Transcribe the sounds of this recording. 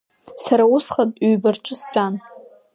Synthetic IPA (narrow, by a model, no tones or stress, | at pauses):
saɾausχatʼɥɥbarʈ͡ʂʼɨst͡ɕʷʰʼan